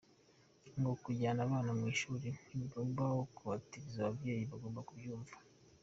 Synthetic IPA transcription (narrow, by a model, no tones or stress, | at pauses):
ŋɡokuɟaːnaːβaːnamŋiːʃuːɾiniβabawokuβatiɾizaβabje̞ːjiβaɡo̞ːmbakubjuːɱvḁ